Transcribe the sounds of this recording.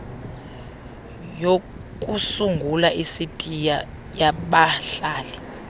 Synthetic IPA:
jo | kʼusuŋɡʱulaʔisitʼija | jaɓaɬaːlɛ

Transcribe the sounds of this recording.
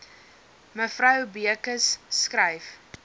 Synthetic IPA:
məfrɐwbiəkəsːkrɛjf

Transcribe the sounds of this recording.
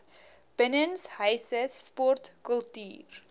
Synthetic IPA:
b̥ənənsɦœjsəspɔrtkəlˠty̰ːr

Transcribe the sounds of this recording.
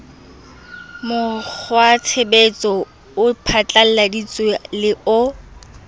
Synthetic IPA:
mʊk͡xʰwat͡sʰebet͡sʼɔ | ʊpʰat͡ɬʼal̩ladit͡sʼwalɪʔʊ

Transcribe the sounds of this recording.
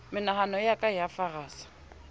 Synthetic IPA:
mɪnahanɔjakʼajafaraːsḁ

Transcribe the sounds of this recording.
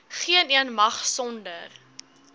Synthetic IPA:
χiəniənmɐχsɔndə̰r

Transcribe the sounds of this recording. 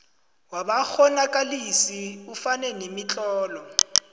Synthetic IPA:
wabak͡xʰɔnakʼalisiufanɛnemit͡ɬʼɔːlɔ

